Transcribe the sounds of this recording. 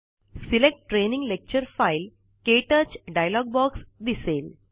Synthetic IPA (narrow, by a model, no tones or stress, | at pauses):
silek̚ʈːɾeːnĩŋɡlek̚t͡ɕəɾfaɪl | keːʈət͡ʃɖajlɔːɡ̚bɔːksd̪iseːl